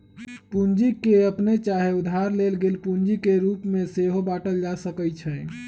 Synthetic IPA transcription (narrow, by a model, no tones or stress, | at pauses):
pund͡ʒikeəpnet͡ʃaɦeud̪ʱaɾlelɡelpund͡ʒikeɾupmeseɦobaʈəld͡ʒasəkət͡ʃʰə